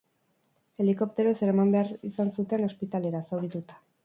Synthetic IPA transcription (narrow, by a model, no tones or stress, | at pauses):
e̞liko̞p̚t̪e̞ɾo̞se̞ɾamambe̞aɾisansut̪e̞no̞spit̪ale̞ɾasawɾit̪ut̪ḁ